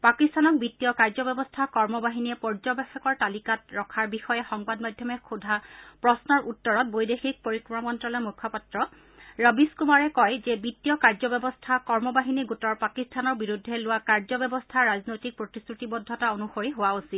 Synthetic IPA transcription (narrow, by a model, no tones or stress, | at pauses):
pakistʰanɔk̚bitːiɔkaɹzɔbjɔbɔstʰakɔɹmɔbaɦiniɛpɔɹd͡ʒɔbɛxɔkɔɹtalikatɹɔkʰaɹbixɔjɛxɔŋbadmadʱjɔmɛxʰudʱapɹɔsnɔɹutːɔɹɔt̚bojdexik̚poɹikɹɔmamɔntɹɔlɔjmukʰːɔpatɹɔ | ɹʌbiskumaɹɛkɔjzɛbitːiɔkaɹzɔbɛbɔstʰakɔɹmɔbaɦiniɡutɔɹpakistʰanɔɹbiɹudʱːɛlʊwakaɹzɔbjɛbɔstʰaɹaznojtik̚pɹotistʰɹutibɔdʱːɔtaonuxoɹiɦowaosit